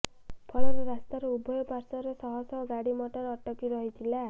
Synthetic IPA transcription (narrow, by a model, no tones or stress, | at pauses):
pʰɔlɔɾeɾast̪aɾɔubʱɔjɔpaɾsɔɾesɔɦɔsɔɡaɽimɔʈɔɾɔʈɔkiɾɔɦit̪ʰila